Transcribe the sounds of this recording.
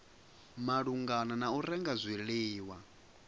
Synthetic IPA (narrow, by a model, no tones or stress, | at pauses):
maɺuŋɡananauɾɛŋɡazʷiɺiːwa